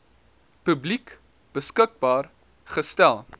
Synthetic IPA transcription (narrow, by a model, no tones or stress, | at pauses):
pɵblik | b̥əskək̚bɑːr | χəstælˠ